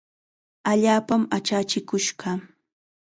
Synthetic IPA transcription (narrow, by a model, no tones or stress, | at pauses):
aʎaːpamat͡ʃat͡ʃɪkʊʃɢɑ